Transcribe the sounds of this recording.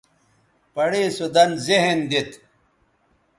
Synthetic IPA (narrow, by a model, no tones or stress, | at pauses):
pɐɽeːsud̪ɐnzeɦend̪it̪